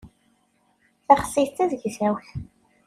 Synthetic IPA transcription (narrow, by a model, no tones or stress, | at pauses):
θæχə̥sːit̪ːæðʝθæwθ